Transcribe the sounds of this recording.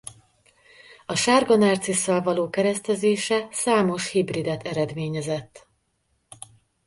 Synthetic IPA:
ɒʃaːrɡonaːrt̪sisːɛlvɒloːkɛɾɛst̪ɛzeːʃɛsaːmo̞ʃhibrid̪ɛt̪ʰɛɾɛd̪meːɲɛzɛt̪ː

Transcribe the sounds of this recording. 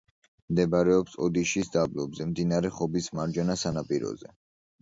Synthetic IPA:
md̪ɛbaɾɛɔpsɔd̪iʃisd̪ablɔbzɛmd̪inaɾɛχɔbismaɾd͡ʒɛnasanapʼiɾɔ̰zɛ

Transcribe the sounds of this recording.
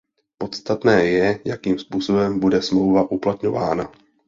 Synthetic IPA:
po̞t̪st̪at̪nɛːjɛjakiːmspuːso̞bɛmbudɛsmlo̞wvaʔuplat̪ɲo̞va̰ːna

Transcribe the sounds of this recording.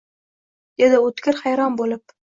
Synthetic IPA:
ed̪ɪot̪kʲɪɾhajɾɒnbolɪp̚

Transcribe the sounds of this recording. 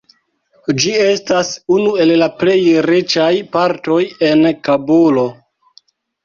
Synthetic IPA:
d͡ʒie̞stasunue̞llaple̞jɾit͡ʃajpaɾto̞je̞nkabolo̞

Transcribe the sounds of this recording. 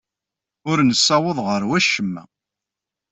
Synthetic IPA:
ʊɾnəsːɑwəðˤʁəɾwæʃəmːæ̰

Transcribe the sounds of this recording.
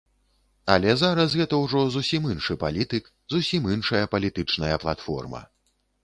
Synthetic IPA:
ɐ̰lʲɛzaɾɐsɣɛt̪ɐwʐɔzusʲiminʂɨpalʲit̪ɨk | zusʲiminʂɐjɐpɐlʲit̪ɨt͡ʂnɐjɐplˠat̪fɔ̰rmɐ̰

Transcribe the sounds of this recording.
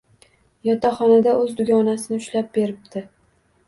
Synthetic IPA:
jɒt̪ʰaχɒnad̪aʔɵzd̪ʊɡʲɒnasɪnɪʊʃlap̚be̞ɾɪp̚d̪̥ɪ

